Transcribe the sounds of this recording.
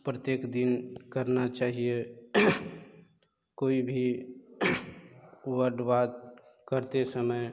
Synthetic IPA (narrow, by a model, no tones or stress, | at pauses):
pɾət̪jeːkd̪inkəɾnat͡ʃaːɦije | koːibʱi | uwəɖbaːt̪̚ | kəɾt̪esəməj